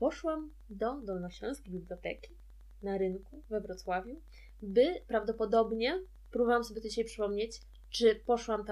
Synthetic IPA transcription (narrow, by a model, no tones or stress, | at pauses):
pɔʂwam | d̪ɔd̪ɔlnɔɕɛ̃skʲibʲiblʲjɔt̪ɛ̰kʲi | naɾɘŋkuvɛvɾɔt̪swavʲju | bɘpɾavd̪ɔpɔd̪ɔbɲɛ | pɾubɔvwamsɔbʲjt̪ɔd͡ʑiɕajpʂɘ̥pɔmɲet͡ɕ | t͡ʂɘpɔʂwamt̪